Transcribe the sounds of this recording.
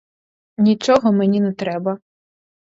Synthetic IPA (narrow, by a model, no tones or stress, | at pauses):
nʲit͡ʃɔɦɔmenʲinɛt̪ɾɛbɐ